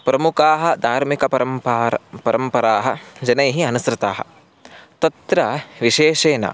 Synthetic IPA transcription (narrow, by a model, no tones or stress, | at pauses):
pɾɐmukaːɦɐ̆d̪ʱaːɾmikɐpɐɾɐmːɾpɐɾɐmpɐɾaːɦɐ̰d͡ʒɐnɐjɦiɐnusɾɪt̪aːɦɐ̰ | t̪ɐt̪ɾɐʋiʃeːʃeːnɐ̰